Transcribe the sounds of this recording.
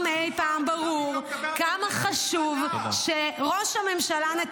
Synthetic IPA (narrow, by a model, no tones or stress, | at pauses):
mejpaːmbaʁuʁkamaχaʃuvʃeʁo̞ʃhame̞mʃalane